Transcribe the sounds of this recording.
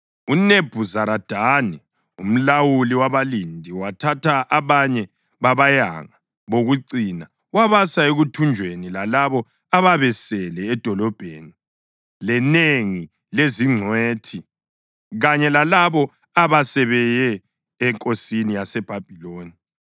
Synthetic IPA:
uneb̥ʱuzaɾad̥ʱanɛ | um̩lawuliwaβalindʱiwatʰatʰaʔaβaɲɛ | βaβaja̰ŋa | βoɣuǀina | waβasaeɣutʰund͡ʒʱwenilalaβɔ | aβaβɛsɛlɛːd̥ʱɔlɔb̥ʱḛni | lɛneŋi | leziŋ͡ǀʱweːtʰi | ɣaɲɛlalaβɔ | aβasɛβɛjɛː | ŋkʼosinijasɛb̥ʱab̥ʱiloːni

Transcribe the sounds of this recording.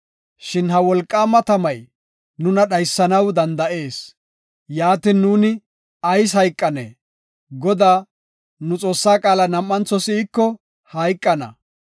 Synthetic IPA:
ʃɪnɦɐwɔlkʼːaːmɐt̪ɐmɐj | nʊnɐɗɐjsːɐnɐwd̪ɐnd̪ɐʔe̞ːs | jaːt̪ɪnːuːnɪ | ɐjs̬hɐjkʼːɐnḛː | ɡɔd̪aː | nʊt͡sʼo̞ːsːaːkʼaːlɐnɐmːɐnt͡sːɔsɪːkːɔ | hɐjkʼːɐnɐ̰

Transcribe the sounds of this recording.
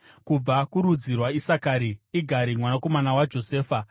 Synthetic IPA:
kub͡vakuɾud͡zirwaisakaɾiiɡʱaɾimwanako̞manawad͡ʒo̞seːfa

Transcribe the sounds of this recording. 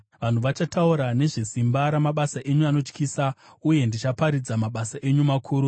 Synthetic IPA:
ʋan̤uʋat͡ʃatauɾane̞ʐesimbaɾamaɓasaʔe̞ɲuano̞t͡ʃkiːsa | uje̞ndit͡ʃapaɾid͡zamaɓasaʔe̞ɲumakʰuːɾu

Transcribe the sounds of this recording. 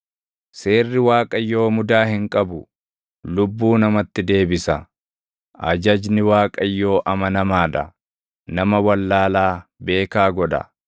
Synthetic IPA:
se̞ːrːɪwaːkʼɐjːo̞ːmʊd̪aːhɪŋkʼɐbʊ | lʊbːuːnɐmɐt̪ːɪd̪e̞ːbɪsɐ | ʔɐ̰d͡ʒɐd͡ʒnɪwaːkʼɐjːo̞ːʔɐmɐnɐmaːᶑɐ̰ | nɐmɐwɐlːaːlaːbe̞ːkaːɡɔᶑɐ̰

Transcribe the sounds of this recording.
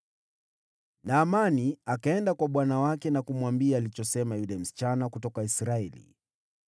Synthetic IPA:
naːmaniakaɛndakwaɓwanawakɛnakumwambiaːlit͡ʃɔsɛmajulɛm̩si̥t͡ʃanakutɔkaisɾaɛlḭ

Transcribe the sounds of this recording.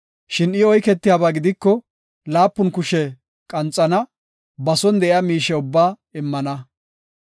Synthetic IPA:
ʃɪnɪɔjkɛt̪ːɪjaːbaːɡɪd̪ɪkːɔ | laːpːʊnkʊʃɛ | kʼɐnt͡sʼːɐnɐ | bɐsɔnd̪ɛʔɪaːmiːʃɛʊbːaː | ɪmːɐnɐ

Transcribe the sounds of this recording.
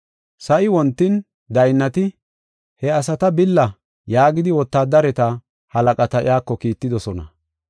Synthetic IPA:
sɐʔɪwɔnt̪ːɪn | d̪ɐjnːɐt̪ɪ | hɛɐsɐt̪ɐbɪlːɐ | jaːɡɪd̪ɪwɔt̪ːaːd̪ɐɾɛt̪ɐ | hɐlɐkʼɐt̪ɐɪ̰aːkːɔkiːt̪ːɪd̪ɔsɔnɐ̰

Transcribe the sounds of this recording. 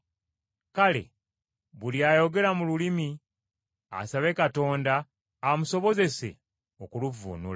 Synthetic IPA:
kale̞̰ | βuljajo̞ɡe̞ɾamululimi | a̰saβe̞kato̞ːndaː | muso̞βo̞ze̞se̞̰ | okuluvṵnṵla

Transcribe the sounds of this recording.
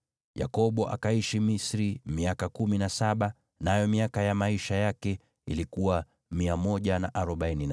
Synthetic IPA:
ja̰kɔɓɔʔa̰kaiʃimisɾimiakakuminasaɓa | najɔmiakajamaiʃajakɛ | ḭlikuwa | miamɔʄanaʔaɾɔɓainin

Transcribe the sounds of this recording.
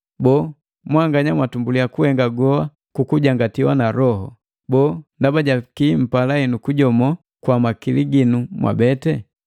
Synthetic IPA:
bɔː | mwaŋɡaɲamwatumbuliakuhɛŋɡaɡɔa | kukuɟaŋɡatiwanaɾɔɦɔ | bɔːndabaɟakim̩palainukuɟɔmɔ | kwamakiliɡinumwʔa̰bɛtɛ

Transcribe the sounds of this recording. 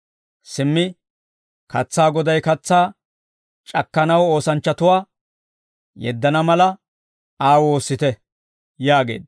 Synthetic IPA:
sɪmːɪ | kɐt͡sːaːɡɔd̪ɐjkɐt͡sːaː | t͡ʃʼɐkːɐnɐwo̞ːsɐnt͡ʃːɐt̪ʊwaː | jɛ̰d̪ːɐnɐmɐlɐ | aːwo̞ːsːɪt̪ɛ | jaːɡe̞̰ːd̪

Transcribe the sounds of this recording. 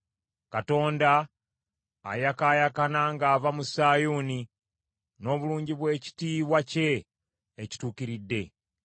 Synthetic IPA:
kato̞ːndaː | jakaːjakanaːŋɡaːvamusaːjuni | no̞ːβuluːɲɟiβwe̞ːci̥tiːβwace̞ː | ci̥tuːkiɾidːe̞

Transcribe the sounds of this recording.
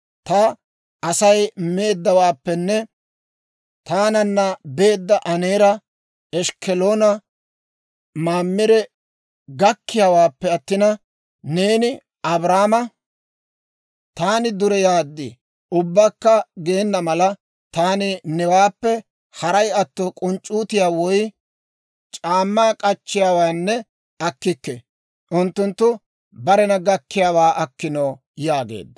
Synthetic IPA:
t̪ɐ | ɐsɐjme̞ːd̪ːɐwaːpːɛnːɛ | t̪aːnɐnːɐbe̞ːd̪ːɐʔɐneːɾɐ | ɛʃkɛloːnɐ | maːmːɪɾɛ | ɡɐkːɪjawaːpːɛɐt̪ːɪnɐ | ne̞ːnɪ | ɐbɾaːmɐ | t̪aːnɪd̪ʊɾɛjaːd̪ːɪ | ʊbːɐkːɐɡe̞ːnːɐmɐlɐ | t̪aːnɪnɛwaːpːɛ | hɐɾɐjɐt̪ːɔkʼʊnt͡ʃʼːuːt̪ɪjaːwɔj | t͡ʃʼaːmːaːkʼɐt͡ʃːɪjaːwaːnːɛ | ɐkːɪkːɛ | ʔʊnt̪ːʊnt̪ːʊ | bɐɾɛnɐɡɐkːɪjaːwaːʔɐkːɪnoː | jaːɡḛːd̪ːɐ̥

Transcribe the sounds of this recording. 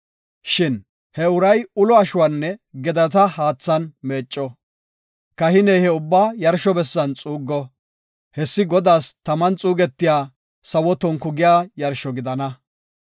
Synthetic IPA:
ʃɪn | hɛʊɾɐjʊlɔɐʃʊwaːnːɛɡɛd̪ɐt̪ɐhaːt͡sːɐnmeːt͡ʃʼːɔ | kɐhɪnɛjhɛʊbːaːjɐɾʃɔbɛsːɐnt͡sʼuːɡːɔ | hɛsːɪɡɔd̪aːst̪ɐmɐnt͡sʼuːɡɛt̪ːɪjaː | sɐwɔt̪ɔŋkʊɡɪjaːjɐɾʃɔɡɪd̪ɐnɐ

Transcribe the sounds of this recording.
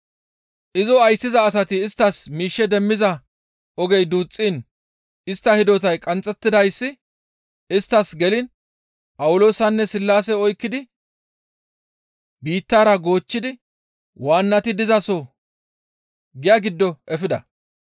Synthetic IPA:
ʔɪzɔɐjsːɪzɐːs̬ɐt̪ɪːst̪ːɐsmiːʃːɛd̪ɛmːɪzɐ | ɔɡɛjd̪uːt͡sʼːiːn | ɪst̪ːɐhɪd̪ɔt̪ɐjkʼɐnt͡sʼːɛt̪ːɪd̪ɐjsːɪ | ɪst̪ːɐsɡɛlɪn | pʼɐwʊlo̞ːsɐnːɛsɪlːaːsɛɔjkːɪd̪ɪ | biːt̪ːaːɾɐɡo̞ːt͡ʃːɪd̪ɪ | waːnːɐt̪ɪd̪ɪzɐsɔ | ɡɪjaːɡɪd̪ːɔʔɛfɪd̪ɐ

